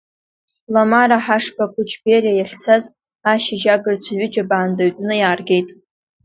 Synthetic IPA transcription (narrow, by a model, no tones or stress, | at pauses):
lamaɾaħaʂpʰakʷʊt͡ʃʰʼberajaɬʲt͡sʰaz | aʃɪd͡ʒaɡɨrt͡ɕʷʰaɥʷɪd͡ʒabaːndaɥtʼnɨjaːrɡʲe̞jtʼ